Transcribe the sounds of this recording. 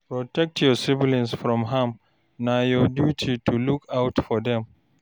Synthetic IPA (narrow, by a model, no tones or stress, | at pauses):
pɹɔtɛk̚tʰjɔsɪvlĩnsfɹɔ̃mɦãm | najɔdjutʰitʰulukawtfɔdɛ̃m